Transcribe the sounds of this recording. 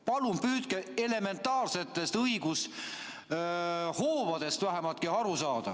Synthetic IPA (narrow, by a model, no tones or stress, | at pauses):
pɑlumpyːt̪kee̞le̞me̞nt̪ːˑɑːrse̞t̪ˑːe̞st̪ɤjɡ̥us | hoːvɑd̪̥e̞st̪væɦæmɑlt̪̚kiɑɾusɑːd̪̥ɑ̰